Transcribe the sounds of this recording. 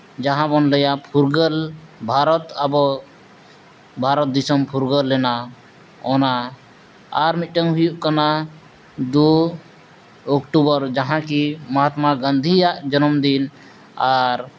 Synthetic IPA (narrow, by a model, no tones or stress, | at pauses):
d͡ʒaɦãbɔnləjapʰuɾɡəlbʱaɾɔt̪abɔ | bʱaɾɔt̪̚d̪isɔmpʰuɾɡəlːɛna | ɔna | aɾmiʈəŋɦujuʔkana | d̪u | ɔkʈubɔɾd͡ʒaɦãkimɔɦat̪maɡənd̪ʱijaʔd͡ʒɔnɔmd̪in | aɾ